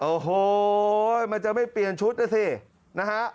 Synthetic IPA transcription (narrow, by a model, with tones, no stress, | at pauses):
ʔoː˨˩ɦoː˧˩ | ma˧nt͡ɕa˨ʔma˥˩jpli˨˩ənt͡ɕʰu˦˥t̪̚naː˥˩sʰiː˧˩ | na˦˥kʰa˦˥ʔ